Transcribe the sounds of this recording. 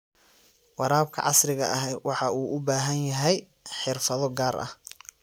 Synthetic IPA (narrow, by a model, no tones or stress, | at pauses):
wɑɾaːb̚kʰɐ̰ʕɑsrɪɣɐʔɐɦɛwɑħɑuːʔʊbaːɦɐnjɐɦɛj | ħɪrfɐðɔɡaːɾʔɐ̰h